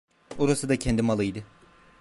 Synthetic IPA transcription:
oɾasɯd̪acʰɛnd̪imalˠɯjd̪ɯ

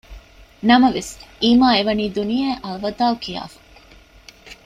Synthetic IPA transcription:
nɐmɐʋesiːmaːeʋɐniːd̪unijɐːʔɐlɐʋɐd̪aːkija̰ːfɐ̥

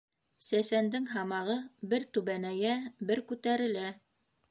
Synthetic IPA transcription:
sæsænd̪ɘŋɦɑmɑʁɤbɘɾt̪ʉβænæjæbɘɾkʉt̪æɾɘ̆læ

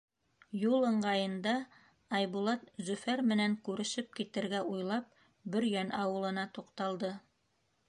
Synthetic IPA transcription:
julˠɤ̆ɴɢɑjɤ̆nd̪ɑ | ɑjβulˠɑt̪̚zɵ̆fæɾmɘ̆næŋkʉɾɘ̆ʃɘp̚kit̪ɘ̆ɾɡæʔujlˠɑp̚ | bɵ̆ɾjænɑwɤ̆lˠɤ̆nɑt̪uqt̪ɑlˠd̪ɤ

